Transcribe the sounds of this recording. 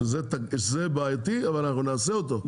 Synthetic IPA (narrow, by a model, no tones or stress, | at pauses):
zet̪aʃzebajat̪iavalnaχnunaːseot̪o